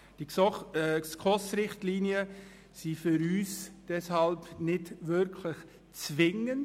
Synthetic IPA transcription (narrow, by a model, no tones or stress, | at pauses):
d̥i | skʰɔsɾɪχtliːniə | sifʏɾyːsd̥ɛshɑlpnɪdvʏɾkʰlɪχ | t͡svɪŋənd